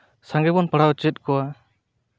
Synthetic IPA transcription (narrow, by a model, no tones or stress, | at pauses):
saŋɡɛbɔnpaɽawt͡ʃɛt̪̚ˀkɔwa